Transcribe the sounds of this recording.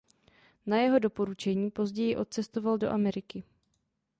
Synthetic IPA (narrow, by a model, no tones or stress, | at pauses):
najɛɦo̞do̞po̞ɾut͡ʃɛɲiːpo̞zɟɛjɪʔo̞t̪̚t͡sɛst̪ovaldo̞̰ʔamɛɾɪkɪ